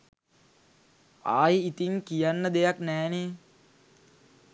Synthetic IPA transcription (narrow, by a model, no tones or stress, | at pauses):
a̰ːjit̪iŋkijanːəd̪ejaknɛːne